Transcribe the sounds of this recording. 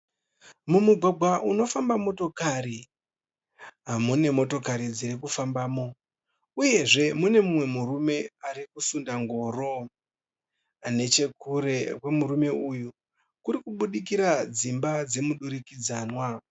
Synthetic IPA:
mumuɡʱwaɡʱwaʔuno̞fambamo̞to̞kaɾi | ɦamune̞mo̞to̞kaɾid͡ziɾikufambaːmo̞ | uje̞ʐe̞mune̞mumwe̞murume̞aɾikusundaŋɡo̞ːɾo | ane̞t͡ʃe̞kure̞kwe̞muɾume̞uju | kuɾikuɓuɗik̬iɾad͡zimbad͡ze̞muɗuɾikid͡zaːnwa

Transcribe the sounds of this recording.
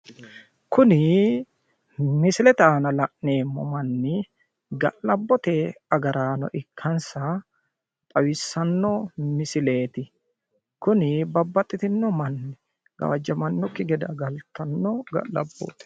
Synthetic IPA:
kʊnɪ | mɪsɪlɛt̪aːnɐlɐʔne̞ːmːɔ̰mɐnːɪ | ɡɐ̰ʔlɐbːɔt̪ɛɐɡɐɾaːnɔ̰ʔɪkʰːɐnsɐ | t̪ʼɐwɪsːɐnːɔmɪsɪle̞ːt̪ɪ | kʊnɪbɐbːɐt̪ʼːɪt̪ɪnːɔmɐnːɪ | ɡ̥ɐ̰wɐd͡ʒːɐmɐnːɔkːɪɡɛd̪ɐ̰ɡɐlt̪ɐnːɔɡɐ̰ʔlɐ̰bːo̰ːt̪ɛ̥

